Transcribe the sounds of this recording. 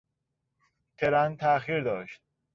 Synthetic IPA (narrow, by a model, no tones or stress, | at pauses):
t̪ʰeɾænt̪ʰæxiːɾd̪ɒːʃt̪̚